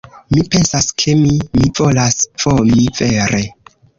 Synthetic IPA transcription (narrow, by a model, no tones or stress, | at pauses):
mipe̞nsaskʰe̞mimivo̞lasfomiveɾe